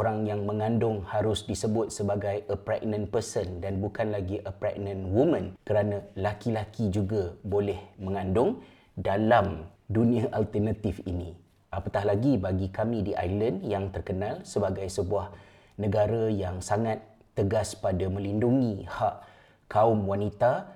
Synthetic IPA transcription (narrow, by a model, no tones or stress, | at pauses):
ʔoɾaŋjaŋmə̃ŋãndʊŋhaɾʊsdisəbʊt̪̚səbaɡajʔəpɾɛk̚nə̃npərsəndanbukanlaɡiʔəpɾɛ̰k̚nə̃nwumə̃nkəɾanãlakilakid͡ʒuɡabolɛhmə̃ŋãndʊŋ | dalamdunĩaʔalt̪ərnat̪ɪfḭnĩ | ʔapak̪aɦlaɡibaɡikamĩdiʔa̰jləndjaŋt̪ərkənãlsəbaɡajsəbuah | nə̃ɡaɾajaŋsaŋat̪ːəɡaspadamə̃linduŋĩhaʔ | kaʊmwanit̪a